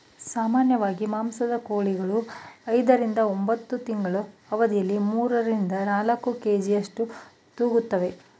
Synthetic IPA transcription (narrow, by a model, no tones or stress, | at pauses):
saːmaːnjɐʋaːɡimaːmsɐd̪ɐkoːɭiɡɐɭuɐjd̪ɐɾind̪ɐombɐt̪ːut̪iŋɡɐɭuɐʋɐd̪ijɐlːimuːɾɐɾind̪ɐnaːlɐkːukeːd͡ʒijɐʂʈu | t̪uːɡut̪ːɐʋe̞